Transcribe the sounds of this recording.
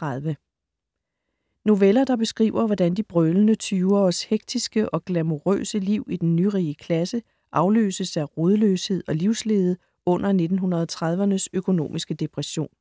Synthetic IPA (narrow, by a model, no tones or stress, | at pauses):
t͡sʰʁaðˠʋə | no̝ʋelɐd̥ɑ̈b̥e̝sɡ̥ʁḭːʊɐʋɒd̥ænd̥ib̥ʁœlənət͡sʰyʊɐːsheɡ̥̚d̥ʰisɡ̥əʔɒ̽ɡ̥læmo̝ʁø̰ːsəliʊ̰id̥enːyʁiːəkʰlæsə | ʔɑ̈ʊlø̰ːsəsæʁoðˠlø̰ːshe̝ð̰ˠɒ̽liʊ̰sle̝ːð̞ˠə | ɔ̽n̰ʔɐne̝d̥n̩ɦunʁɐð̞ˠɒt͡sʰʁɑð̞ˠʋɐnəsøkʰo̝no̝̰ːmisɡ̥əd̥e̝pʰʁɛɕo̝̰ːn